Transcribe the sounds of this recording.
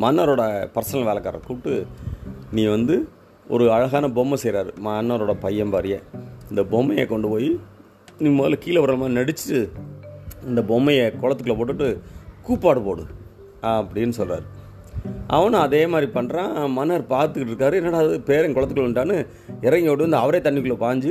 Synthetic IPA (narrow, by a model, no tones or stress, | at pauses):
mɐnːɐɾoːɽɐpɐɾsɐnɐlʋeːlɐkːaːɾɐ̰kuːʈːɯ | nĩːʋɐnd̪ɯ | ɔ̰ɾɯɐɻɐɣaːnɐbɔmːɐsɛjɾaːɾɯmɐnːɐɾoːɽɐpɐjːɐmbaːɾɪjḛ̃ːɪnd̪ɐbɔmːɐjḛkɔɳɖɯpoːji | niːmoːlɐkiːlɐʋɐɾɐlɐmaːinɐɽɪt͡ʃːʈːɯ | ɪnd̪ɐbɔmːɐjɐkɔɻɐt̪ːɯkːɯɭɐpoːʈ̬ːɯʈːɯkuːpːaːɽɯpoːɽɯ̰̃ | ɐpːɐɽɪnːɯsɔlra̰ːɾɯ | ʔɐ̰ʋɐnɐɐðeːmaːd̪ɾipɐɳːɾãːmɐnːɐɾpaːɾt̪ɯkɪʈːɪɾɯkːaːɾɯɛnːɐɽaːðɯpeːɾɛkɔɭɐt̪ːɯkɯɭʋɐnʈaːnɯ | ɪɾɐŋɡɪoːɽɯʋɐnd̪ɐʋɐɾeːt̪ɐɳːɪkːɯɭoːpaːɲd͡ʒɯ